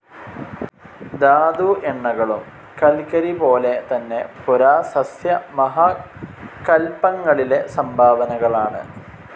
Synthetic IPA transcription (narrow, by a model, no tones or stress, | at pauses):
d̪aːd̪uʔeɳːɐɣɐɭum | kɐlkɐɾipo̞ːle̞t̪ɐnːe̞puɾaːsɐsjɐmɐɦɐ | kɐlpːɐŋːɐɭile̞sɐmbʱaːʋɐnɐɣɐɭaːɳɨ̰